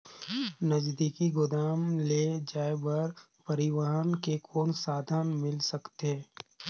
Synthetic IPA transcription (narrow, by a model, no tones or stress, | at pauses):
nəd͡ʒd̪iːkiɡʊd̪aːmled͡ʒaːebəɾ | pɐɾɪʋaɦənkekʰoːnsaːd̪ʱənmɪlsəkt̪eː